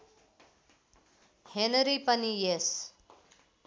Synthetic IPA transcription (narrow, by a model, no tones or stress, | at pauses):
henəɾipənijes